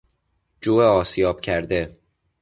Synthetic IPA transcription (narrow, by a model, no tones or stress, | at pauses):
d͡ʒuːeɒːsijɒːb̥̚cʰæɾd̪e